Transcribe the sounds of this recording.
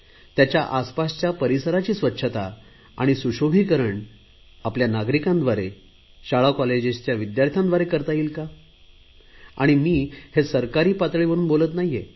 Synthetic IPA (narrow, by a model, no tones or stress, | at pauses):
t̪jat͡ɕjaʔaspast͡ɕjapəɾisəɾat͡ɕiːsʋətːɕʰət̪a | a̰ɽ̃isuɕobʱiːkəɾəɳ | apljanaɡɾikãnd̪ʋaɾe | ɕaɭakɔled͡ʑed͡ʑt͡ɕjaʋid̪jaɾt̪ʰjãnd̪ʋaɾekəɾt̪aiːlka | a̰ɽ̃imiːhesəɾkaɾiːpat̪ɭiʋəɾuːnbolət̪naɦije